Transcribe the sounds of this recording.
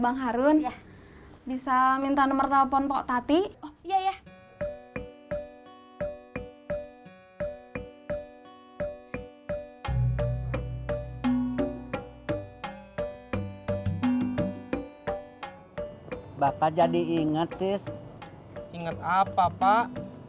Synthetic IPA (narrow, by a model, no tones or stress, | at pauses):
baŋɦaɾun | bisamint̪anəmərt̪apɔnpɔʔt̪at̪iijaja | bapad͡ʒadiiŋət̪ːis | iŋət̪apapa